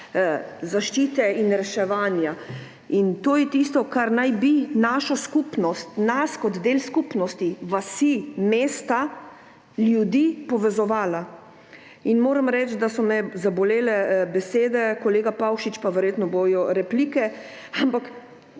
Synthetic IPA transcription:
zaʃt͡ʃiːt̪ɛinɾɛʃɛʋaːnja | int̪oːjɛt̪ist̪ɔkaɾnajbinaʃɔskupnɔst̪naskɔd̪d̪eːlskupnɔst̪iʋasimeːst̪a | ljud̪iːpɔʋɛzɔʋaːla | inmoːɾamɾɛt͡ʃ̪d̪asɔmɛzabɔleːlɛbɛseːd̪ɛkɔleːɡapawʃit͡ʃpaʋɛɾjeːt̪nɔbojɔɾɛpliːkɛ | ampak

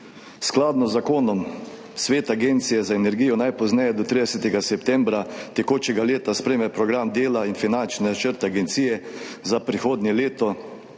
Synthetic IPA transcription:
sklaːd̪nɔzːakoːnɔm | sʋeːt̪aɡeːnt̪sijɛzaenɛɾɡijɔnajpɔznɛjɛd̪ɔt̪ɾid̪ɛsɛt̪ɛɡasɛpt̪ɛmbɾat̪ɛkoːt͡ʃɛɡaleːt̪aspɾeːmɛpɾɔɡɾamd̪eːlainfinant͡ʃnɛt͡ʃəɾt̪ɛaɡɛnt̪sijɛzapɾixoːd̪nɛleːt̪ɔ

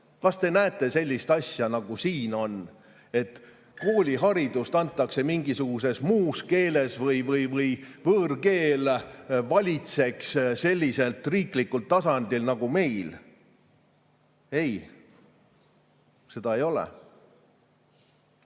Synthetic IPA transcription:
kɑst̪e̞næet̪ːˑe̞se̞lʲːist̪ɑsʲjɑnɑɡ̥usiːno̞n | e̞t̪ | ko̞ːlʲiɦɑɾid̪ust̪ɑnt̪ˑːɑkse̞miŋɡisuɡ̥us̬e̞smuːske̞ːle̞svɤjvɤjvɤjvɤːrke̞ːlvɑlʲit̪se̞ksse̞lʲːise̞lt̪riːklikːult̪ːɑsɑnd̪̥ilnɑɡ̥ume̞jl | e̞j | se̞d̪ɑe̞jo̞lḛ

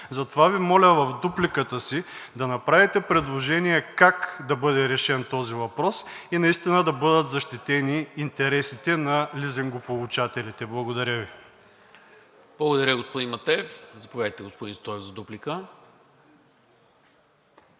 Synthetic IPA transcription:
zɐt̪ovavimɔlʲəvɐfd̪uplikət̪əsid̪ɐnɐpɾavit̪ɛpɾɛd̪lˠoʒɛniɛkakd̪ɐbɤd̪ɛɾɛʃɛnt̪ɔzivɐpɾɔsinɐist̪inəd̪ɐbɤd̪ət̪zɐʃt̪it̪ɛniːnt̪ɛɾɛsit̪ɛnɐlizɛŋɡopolˠut͡ʃat̪ɛlit̪ɛblˠɐɡod̪ɐɾʲəvi | blˠɐɡod̪ɐɾʲəɡospod̪inmɐt̪ɛɛfzɐpovʲjad̪əjt̪ɛɡospod̪inst̪ɔɛvzɐd̪uplikə

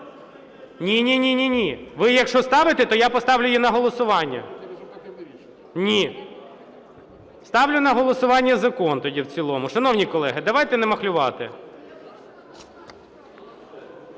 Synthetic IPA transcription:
nʲinʲinʲinʲinʲiʋɪjɐkʃɔst̪ɑʋɪt̪ɛt̪ɔjapɔst̪ɑwlʲʊjinɐɦɔlˠɔsʊʋɑnʲːɐ̰ | nʲi | st̪ɑwlʲʊnɐɦɔlˠɔsʊʋɑnʲːɐzɐkɔnt̪ɔdʲiwt͡sʲilˠɔmʊʃɐnɔwnʲikɔlˠɛɦɪd̪ɐʋɑjt̪ɛnɛmɐxlʲʊʋɑt̪ɪ̰

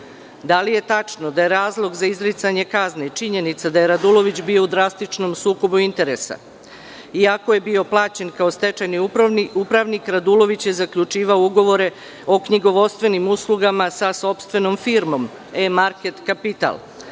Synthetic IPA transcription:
d̪alije̞t̪at͡ʂnod̪aje̞ɾaːzlˠo̞ɡzaizɾit̪saɲe̞kazne̞t͡ʃiɲe̞nit̪sad̪aje̞ɾad̪ulˠo̞ʋit͡ɕbijo̞ud̪ɾast̪it͡ʂno̞msuːko̞buint̪e̞ɾesa̰ | iakoje̞bio̞plˠaːt͡ɕe̞nkao̞st̪e̞t͡ʃajniupɾaʋnikɾad̪ulo̞ʋit͡ɕje̞zakʎut͡ʃiːʋaouɡo̞ʋo̞ɾe̞ | o̞kɲiɡo̞ʋo̞st̪ʋe̞nimuslˠuɡamasaso̞pst̪ʋe̞no̞mfiɾmo̞m | emaɾket̪kapit̪a̰lˠ

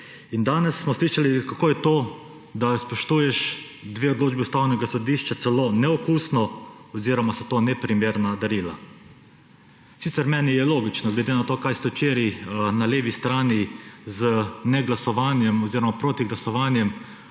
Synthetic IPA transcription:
ind̪aːnɛsːmɔsliːʃalikakoːjɛt̪oː | d̪aspɔʃt̪uːjɛʃ | d̪ʋeːɔd̪loːd͡ʒbɛust̪aːwnɛɡasɔd̪iːʃt͡ʃat̪sɛloːnɛɔkuːsnɔɔziɾɔmasɛt̪oːnɛpɾimeːɾnad̪aɾiːla̰ | siːt̪ɛɾmɛːnijɛloːɡit͡ʃnɔɡlɛd̪eːnat̪oːkajst̪ɛwt͡ʃeːɾinaleːʋist̪ɾaːnizənɛɡlasɔʋaːnjɛmɔziːɾɔmapɾoːt̪iɡlasɔʋaːnjɛm

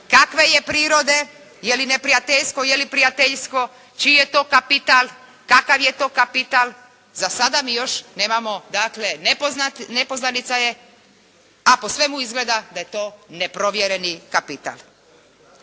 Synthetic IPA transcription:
kakʋe̞je̞pɾiːɾo̞d̪e̞ | jelinepɾijat̪eʎsk̪ojelipɾijat̪eʎsk̪o̞ | t͡ʃije̞t̪oːkapit̪al | kakaʋje̞t̪o̞ːkapit̪al | zasad̪amiːjo̞ʃne̞ːmamo̞d̪akle̞noanepoznanit̪saje̞ | apo̞sʋe̞muizɡle̞d̪ad̪aje̞t̪o̞ːne̞pɾo̞ʋjeɾenikapit̪a̰lˠ

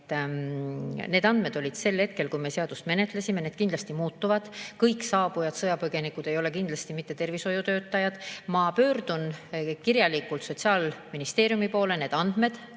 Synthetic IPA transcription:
ne̞ːd̪ɑnd̪̥me̞d̪̥o̞lʲid̪̥se̞lːhe̞t̪̚ke̞lkujme̞se̞ɑd̪̥ust̪me̞ne̞t̪lesime̞ne̞ːd̪kind̪lɑst̪imuːt̪ːuvɑd̪̥kɤjksɑːb̥ujɑd̪̥sɤjɑpɤɡe̞nikud̪̥e̞jo̞le̞kind̪lɑst̪imit̪ːe̞t̪e̞rviso̞jut̪øːt̪ːˑɑjɑd̪̥mɑpø̞ːrd̪̥unkirjɑlikːˑult̪so̞t̪ʲsiɑːlminist̪e̞ːɾjumipo̞ːlene̞ːd̪̥ɑnd̪̥me̞d̪̥

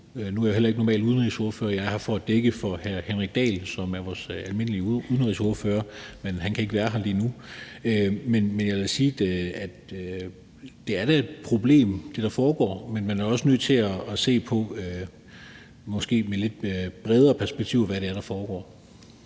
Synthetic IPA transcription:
nuæɐjahelɐeɡənɒmɛ̰ːluðˠn̩ʁiso̝ɐføːɐjɑ̈ɪɪhɑ̈fɒd̥eɡ̥əfɒ̽hæɐhenʁiɡ̥̚d̥ɛ̰ːlsɒ̽mæɐʋɒːsælme̝n̰əliəuð̞ˠn̩ʁiso̝ɐføːɐmenɦænkʰæe̝ɡ̥ʋæːɐɦɑ̈liːnu | ømenmenjɑesiːd̥æd̥ | d̥e̝æɐd̥æe̝d̥pʰʁo̝b̥le̝̰ːmd̥e̝ɾ̥ɑ̈fɒːɡ̥ɒ̰ːmenmænæɐɒ̽sənøð̰ˠt͡sʰe̝læːse̝̰ːpʰɒ̽ø | mɒ̽sɡ̥e̝̰ːmele̝d̥b̥ʁɛð̞ˠɐːpʰæɐsb̥eɡ̥̚t͡sʰḭʊ̰ʋæɐɾe̝æɐɾ̥ɑ̈fɒːɡ̥ɒ̰ː

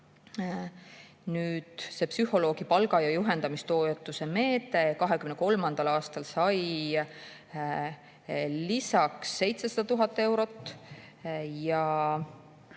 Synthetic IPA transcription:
nyːd̪̥se̞ːpsyho̞lo̞ːɡ̥ipɑlɡɑjɑjuɦe̞nd̪ɑmist̪o̞ːjet̪ːˑuse̞me̞ːt̪ˑe̞kɑɦe̞kymneko̞lmɑnd̪̥ɑlɑːst̪ɑlsɑj | lisɑksːe̞jt̪se̞sɑd̪ɑt̪uɦɑt̪ːˑe̞wɾo̞t̪ːˑ | jɑ

